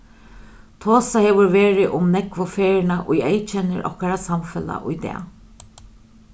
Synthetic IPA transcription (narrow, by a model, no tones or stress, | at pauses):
t̪ʰoːsaheːʋʊɹʋeːɹɪʔʊmnɛkʋʊfeːɹɪnaʔʊjejt͡ʃɛnɪ̰ɾʔɔ̰hkaɾasamfɛla̰ʔʊjt̪ɛ̰ː